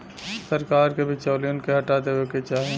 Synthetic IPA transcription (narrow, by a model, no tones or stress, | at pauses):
səɾkaːɾkebʱɪt͡ʃaːlionkeɦɐʈaːt̪eweket͡ʃaːɦẽ